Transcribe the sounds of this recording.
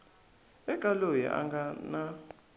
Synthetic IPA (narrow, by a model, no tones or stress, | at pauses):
ɛɡʼalojɛ̰ʔa̰ŋɡʱana